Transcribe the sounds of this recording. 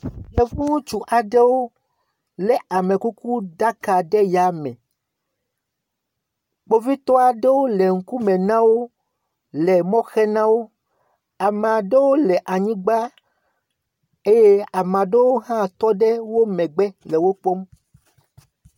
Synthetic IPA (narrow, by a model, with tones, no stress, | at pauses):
je˨vũ˦t͡ʃu˨ʔa˨ɖe˦wo˦ | lɛ˨a˨mẽ˨ku˦ku˦ɖa˦ka˨ɖɛ˦ja˨˦mɛ̰̃˨ | k͡po˦vi˦t̪ɔ˦a˨ɖe˦wo˦le˨ŋ̩˦ku˦mẽ˨nã˦wo˦ | lɛ˨mɔ̃˦xɛ˦nã˦wo˦ | a˨m˨a˨ɖe˦wo˦lɛ˨ʔa˨ɲĩ˦ɡ͡ba˦ | e˦je˦a˨mã˨ɖe˦wo˦ɦã˦˨t̪ɔ˦ɖe˦wo˦mɛ̃˨ɡ͡bɛ˦le˨wo˦k͡po˦m